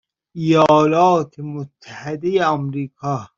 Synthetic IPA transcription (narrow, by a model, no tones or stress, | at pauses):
ijɒːlɒːt̪ʰemot̪ʰːæhed̪ejeæmɾiːkʰɒː